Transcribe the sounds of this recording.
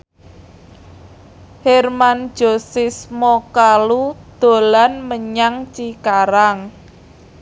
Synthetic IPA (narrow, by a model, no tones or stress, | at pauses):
hɛrmand̥ʒ̥o̤sɪsmɔkalud̪̥o̤lanməɲaŋt͡ʃikaɾaŋ